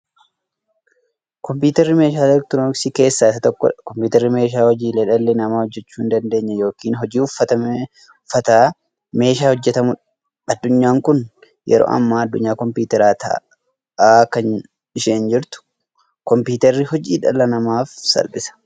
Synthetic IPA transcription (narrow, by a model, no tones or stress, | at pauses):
kɔmpiːt̪ɛrːɪme̞ːʃaːlɛɾ̚t̪noksiːke̞ːsːasɐt̪ɔkːɔ̰ᶑɐkɔmpjuːt̪ɛɾːɪme̞ːʃ̬aːhɔd͡ʒiːleᶑɐlːenɐmaːhɔd͡ʒːɛt͡ʃːuːɪnd̪ɐnd̪eːɲːɐjo̞ːkiːnɦɔd͡ʒiːʊfɐt̪ɐ | fɐt̪aː | me̞ːʃaːhɔd͡ʒːɛt̪ɐmʊᶑɐ | ɐd̪ːʊɲːaːŋkʊn | jɛ̰ɾo̰ːʔɐ̰mːaːɐd̪ːʊɲːaːkɔmpuːt̪ɛɾaːt̪ɐ̰ | ʔaːkɐn | ɪʃeːnd͡ʒɪɾt̪ʊ̥ | kɔmpuːt̪ɐrːɪhɔd͡ʒiːᶑɐ̰lɐnɐmaːfsɐ̰lbɪsɐ̥